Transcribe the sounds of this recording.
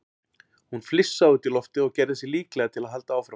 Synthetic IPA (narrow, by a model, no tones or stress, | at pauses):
hunflɪsːaʏt̪ɪlɔft̪ɪɔɣcɛɾðɪs̬jɛliːklɛɣat̪ʰɪlaðɦal̪t̪aaːwfɾa